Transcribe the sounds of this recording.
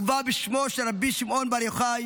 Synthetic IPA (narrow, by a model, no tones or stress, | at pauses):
vabiʃmoʃeɾabiʃimʔonbaɾjoχaj